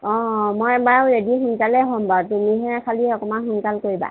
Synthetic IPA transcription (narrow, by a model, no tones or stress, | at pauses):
ɔ̃mɔjbaɹedixunkalɛɦɔmbawtumiɦɛkʰaliɔkɔmanxunkalkoɹiba̰